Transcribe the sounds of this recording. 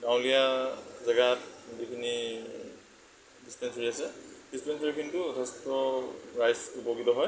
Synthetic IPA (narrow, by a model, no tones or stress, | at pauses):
ɡaw̃lijazaɡatzikʰini | dispɛnsɔɹiasɛdispɛnsɔɹikʰintʊdʱɛstɔɹajsupoɡitɔɦɔj